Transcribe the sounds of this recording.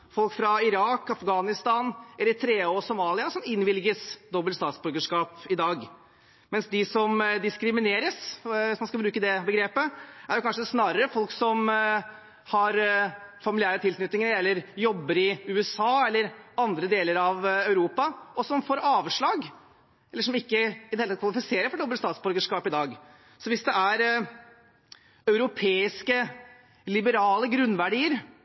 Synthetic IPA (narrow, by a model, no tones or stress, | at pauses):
fɔlkfɾɑɪɾɑːkɑfɡɑːnɪst̪ɑːnɛləɾɪt̪ʰɾeːosʊmɑːlɪɑsɔmɪnːʋɪlɡəsd̪ɔbːəlt̪st̪ɑːt̪sbʉɾɡəʂkɑːpɪd̪ɑːɡ | mɛnsd̪ɪsɔmd̪ɪskɾɪmɪneːɾəsʋɪsmɑnskɑbɾʉːkəd̪ɛbəɡɾeːpəæɾjʊkʰɑnʂəsnɑːɾəɾəfɔlksɔm | hɑɾfɑmɪlɪæːɾət̪ʰɪlknʏt̪nɪŋəɾɛlːəɾjɔbːəɾɪʉːɛsɑːɛlːəɾɑnd̪ɾəd̪eːləɾɑʋœʉɾuːpɑɔsɔmfoːɾɑːʋʂɭɑːɡ | ɛlːəʂɔmɪkːəɪd̪ɛhelɑt̪kʋɑlɪfɪseːɾəfɔɖ̪ɔbːəst̪ɑːt̪sbɔlɡəʂkɑːpɪd̪ɑːɡ | sɔʋɪsd̪ɛæɾ | œʉɾʊpʰeːɪskə | lɪbəɾɑːləɡɾʉnːʋæɖiːəɾ